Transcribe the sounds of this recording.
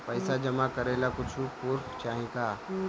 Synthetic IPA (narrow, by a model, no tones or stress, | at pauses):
pəɪsad͡ʒɐmakəɾelakʊt͡ʃʰupuɾpt͡ʃaːɦĩka